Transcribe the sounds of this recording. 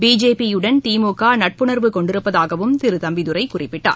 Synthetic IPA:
biːd͡ʒeːpijɯɽɐnt̪iːmoːkːaːnɐʈ̚pɯnɐɾʋɯkɔɳɖɪɾɯpːɐðaːɣɐʋɯmt̪ɪɾɯt̪ɐmbɪðɯɾɐɪkʊrɪpːɪʈːa̰ː

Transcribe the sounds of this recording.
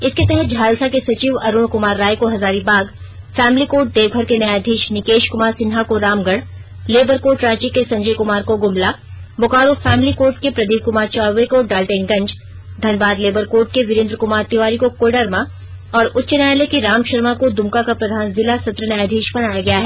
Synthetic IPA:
ɪsket̪ɛɦɛt̪̚d͡ʒʱaːlsakesɐt͡ʃiːʋɐɾʊɳkʊmaːɾːaːjkoɦɐzaːɾibaːɡ | fɛːmlikoːʈ̚d̪eːʋɡʱəɾkenɐjaːd̪ʱiːʃnɪkeːʃkʊmaːɾsɪnɦakoɾaːmɡəɽ | leːbəɾkoːɾʈɾaːt͡ʃikːesɐ̃ɲd͡ʒəjkʊmaːɾkoɡʊmla | bʊkaːɾofɛːmlikoːɾʈkepɾɐd̪iːʋkʊmaːɾt͡ʃaːʋekoɖaːlʈeːnɡɐ̃ɲd͡ʒ | d̪ʱɐnʋaːd̪leːbəɾkoːɾʈ̚keʋɪɾẽnd̪ɾəkʊmaːɾt̪ɪʋaːɾikokoːɖəɾmã | ɔːɾʊtːʃənaːlekiɾaːmʃɐɾmakod̪ʊmkakapɾɐd̪ʱaːnzɪlasɐt̪ɾənɐjad̪ʱiːʃbɐnaːjaɡɐjaɦɛː

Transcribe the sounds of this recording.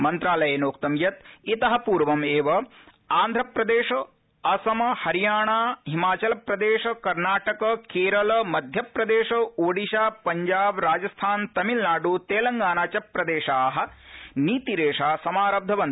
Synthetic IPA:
mɐnt̪ɾaːlɐjenoːkt̪ɐmjɐt̪it̪ɐɦɐpuːɾʋɐmeːʋɐ | aːnd̪ʱɾɐpɾɐd̪eːʂɐ | ɐsɐmɐhɐɾijaːɳaːɦimaːt͡ʃɐlɐpɾɐd̪eːʃɐkɐɾnaːʈɐkɐkeːɾɐlɐmɐd̪ʱjɐpɾɐd̪eːʂɐoːɖiʃaːpɐɲd͡ʒaːbɾaːd͡ʒɐst̪ʰaːnt̪ɐmilnaːɖut̪eːlɐŋɡaːnaːt͡ʃɐpːɾɐd̪eːʃaɦɐ̆niːt̪iɾeːʂaːsɐmaːɾɐb̚d̪ʱɐʋɐn

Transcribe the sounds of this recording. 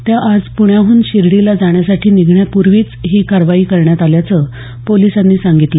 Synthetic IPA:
t̪jaʔad͡zpuɳjaɦuːnɕiɾɽilad͡zaɳ̃jasaʈʰiːniɡʱɳjapuɾʋiːt͡sɦiːkaɾʋaiːkəɾɳjat̪aljat͡sə | polisanːiːsãŋɡit̪lə

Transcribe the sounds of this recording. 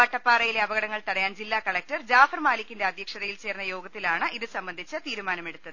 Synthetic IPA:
ɐʈːɐpːaːrɐjile̞ɐbɐɣɐɽɐŋːɐɭt̪ɐɽɐjaːnd͡ʑilːaːkɐɭɐk̚tɐrd͡ʑaːfɐrmaːlikʲːindeɐd̪ʱjɐkʂɐðɐjilt͡ɕe̞ːrnːɐjo̞ːɡɐt̪ːilaːɳɨʔiðɨsɐmbɐnd̪ʱit͡ɕːɐt̪iːɾumaːnɐme̞ɽut̪ːɐðɨɨ

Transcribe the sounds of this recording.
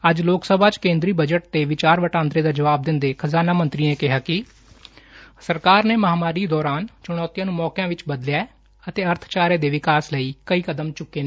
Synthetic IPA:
əd͡ʒloːksəbʱaːt͡ʃkẽːnd̪ɾiːbəd͡ʒəʈ̚t̪eːʋɪt͡ʃaːɾʋəʈãːnd̪ɾeːd̪aːd͡ʒəʋaːb̚d̪ɪnd̪eːkʰəzaːnaːmənt̪ɾiːẽːkɪɦaːkɪ | səɾkaːɾneːməɦaːmaːɾiːd̪ɔːɾaːnt͡ʃʊɽ̃ɔːt̪ijãːnũːmɔːkjãːʋɪt͡ʃbəd̪lɪɛː | ət̪eːəɾt̪ʰt͡ʃaːɾeːd̪eːʋɪkaːsləiːkəiːkəd̪əmt͡ʃʊkːeː

